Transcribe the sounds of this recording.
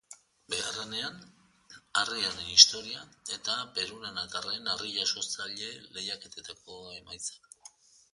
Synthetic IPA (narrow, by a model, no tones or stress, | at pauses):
be̞are̞ne̞an | ariaɾenist̪o̞ɾiae̞t̪ape̞ɾunanat̪arenariʎaso̞ɾt͡saʎe̞le̞jake̞t̪et̪ako̞e̞majt͡sḁk